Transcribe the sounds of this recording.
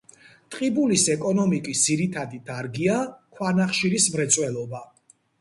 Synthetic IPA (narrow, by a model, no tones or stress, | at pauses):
t̪ʼqʼibulisɛkʼɔnɔmikʼisd̪z̥iɾit̪ʰad̪it̪ʰaɾɡiakʰwanaχʃiɾismɾɛt̪sʼwɛlˠɔba